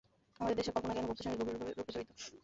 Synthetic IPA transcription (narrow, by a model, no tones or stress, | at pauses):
amad̪eɾd̪eʃeɾkɔlponakɛnoboɾt̪iʃaŋeɾɡʱobiɾɾokit͡ɕoit̪o̥